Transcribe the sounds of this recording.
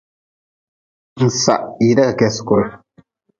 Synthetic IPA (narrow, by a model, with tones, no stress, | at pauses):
n̩˨sa̰˨ʔi˨da˦ka˨kɛ˦skɔ˨ɾ